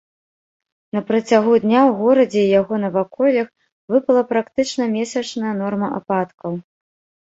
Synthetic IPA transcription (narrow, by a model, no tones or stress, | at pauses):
nɐpɾɐt͡sʲaɣud̪ʲnʲawɣɔɾɐd͡zʲɛijaɣɔnɐvakɔlʲɐx | vɨpɐlˠɐpɾakt̪ɨt͡ʂnɐmʲesʲɐt͡ʂnɐjɐnɔrmɐʔapat̪kɐw